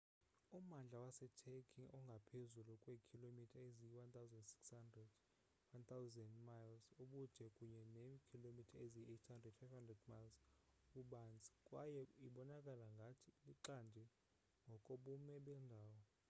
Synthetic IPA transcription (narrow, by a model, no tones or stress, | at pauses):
umand͡ɮʱawasɛtʰɛkʰiŋʔɔŋɡʱapʰezulukʼwekʰilomitʰaeziwant̪ʰawzɛndsi̥kshandrɛd | want̪ʰawzɛndmajlsuɓud̥ʱɛkʼuɲɛnemikʰilomitʰaezietʰhandrɛd̥fajfhandrɛdmajlskuɓand͡zʱʼi̥kʼwajɛiɓɔnakʼalaŋɡʱatʰiliǃandʱi | ŋɡʱɔkʼoɓumɛɓɛndʱaːwɔ